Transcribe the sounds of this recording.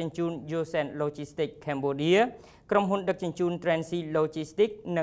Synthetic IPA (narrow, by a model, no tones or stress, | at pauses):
ənt͡ɕuːnjoːsɛnloːt͡ɕist̪ikʰːɛmɓoːɗiə | kromɦunɗɨk̚t͡ɕʊnt͡ɕuːnt̪rɛːnsiːloːt͡ɕist̪ik̚nɨ